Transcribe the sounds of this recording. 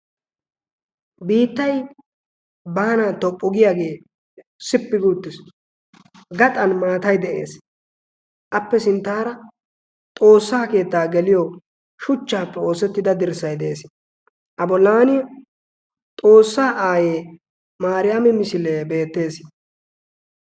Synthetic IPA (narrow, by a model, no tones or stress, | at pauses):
biːt̪ːɐj | bɐːɐnat̪ɔpʼːʊɡɪjaːɡe̞ː | sɪpːɪɡuːt̪ːɪs | ɡɐt̪ʼɐnmaːt̪ɐjd̪ɛʔe̞̰ːs | ʔɐpːɛsɪnt̪ːaːɾɐ | t̪ʼo̞ːsːaːke̞ːt̪ːaːɡɛlɪjɔ | ʃʊt͡ʃːaːpːɛo̞ːsɛt̪ːɪd̪ɐd̪ɪɾsɐjd̪ɛeːs | ʔɐbɔlːaːnɪjɐ | t̪ʼo̞ːsːaːʔaːjeː | maːɾɪjamɪmɪsɪleːbe̞ːt̪ːe̞ːs